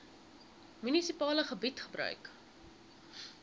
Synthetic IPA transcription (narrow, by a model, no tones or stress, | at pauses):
mynisipɑːləχəbitχəbrœ̰ɥk